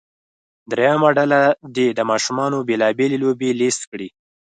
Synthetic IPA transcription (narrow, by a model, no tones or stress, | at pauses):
d̪ɾajamaɖalad̪ed̪əmɑʃumɑnobelɑbelelobelest̪kɽi